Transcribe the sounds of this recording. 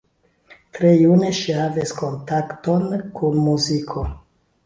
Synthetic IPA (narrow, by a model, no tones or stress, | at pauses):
tɾe̞june̞ʃihavisko̞ntakto̞nkunmuzikʰo̞